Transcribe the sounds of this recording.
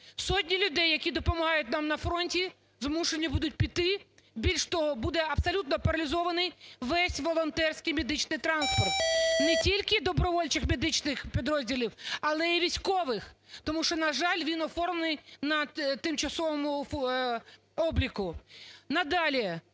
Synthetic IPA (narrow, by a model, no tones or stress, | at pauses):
sɔtʲnʲilʲʊd̪ɛjːɐkʲid̪ɔpɔmɐɦɑjʊt̚ʲnɑmnɐfɾɔnʲtʲi | zmuʃenʲːɐbud̪ʊt̚ʲpʲit̪ɪbʲilʲʃt̪ɔɦɔbud̪ɛɐb̥sɔlʲut̪nɔpɐɾɐlʲɪzɔʋɐnɪjʋɛsʲʋɔlˠɔnt̪ɛrsʲkɪjmʲed̪ɪt͡ʃnɪjt̪ɾɑnspɔrt̪nɛtʲilʲkɪd̪ɔbɾɔʋɔlʲt͡ʃɪxmʲed̪ɪt͡ʃnɪxpʲid̪ɾɔzʲdʲilʲiwɐlˠɛiʋʲisʲkɔʋɪxt̪ɔmuʃt͡ʃɔnɐʒɑlʲʋʲinɔfɔrmnɪjnɐt̪ɪmt͡ʃɐsɔʋɔmʊ | ɔblʲikʊnɐd̪ɑlʲi